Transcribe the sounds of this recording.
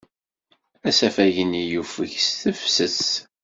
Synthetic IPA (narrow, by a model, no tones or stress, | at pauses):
æsæfæʝənijufəçsθəfsəs